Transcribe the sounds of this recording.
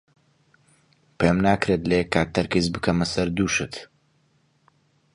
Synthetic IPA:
pʰemnaːkɾet̪lekːaːk̚t̪ʰɐɾkizbɨkʰɐmɐsɐɾd̪uːʃɨt̪

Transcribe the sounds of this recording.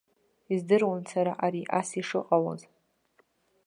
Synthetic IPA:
izdɨrwansaɾaʔaɾiʔasiʂɨqʼawo̰z

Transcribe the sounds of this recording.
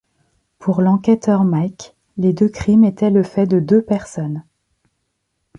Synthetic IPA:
pʰuʁlɑ̃kʲɛt̪œʁmajk | led̪økχimet̪ɛləfɛd̪əd̪øpɛʁsɔn

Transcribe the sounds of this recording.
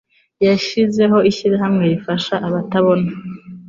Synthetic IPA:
jaʃize̞ɦo̞iʃiɾiɦamŋe̞jifaʃaʔaβataβo̞na

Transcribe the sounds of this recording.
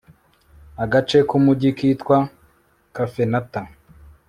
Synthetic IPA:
aɡat͡ʃe̞kumuɟikitkwa | kafenata

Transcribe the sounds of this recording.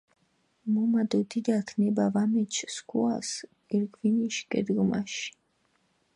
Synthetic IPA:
mumad̪ut̪ʰid̪akʰnɛbavamɛt͡ʃʰskʰua̰s | ɛɾɡviniʃɡɛ̰d̪ɡuma̰ʃ

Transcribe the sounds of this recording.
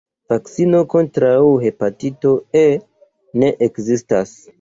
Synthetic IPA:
vaksino̞ko̞ntɾawhe̞patito̞e | ne̞ʔekzistas

